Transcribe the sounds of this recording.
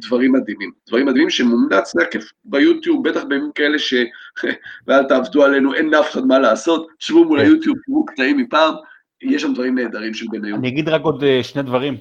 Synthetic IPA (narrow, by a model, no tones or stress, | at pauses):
d̪vaʁimːad̪imimd̥̪vaʁimad̪imimʃemumnat͡slekef | bajut̪jub̚bet̪aχbeamimkae̞leʃe̞ | vealt̪aːvd̪uale̞nuʔenlafe̥χad̪malaːso̞t̪ʃvumulajut̪jub̚tivuklaimːipaːm | jeʃ̬amd̪vaʁimːeːd̪aʁimʃelbenajuaniaɡid̪ʁako̞d̪eʃne̞d̪vaʁim